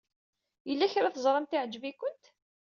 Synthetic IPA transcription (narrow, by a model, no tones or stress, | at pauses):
jəlːæçɾaθəzˤɾˤɑmt̪ɪʕd͡ʒːəvikʊnt̪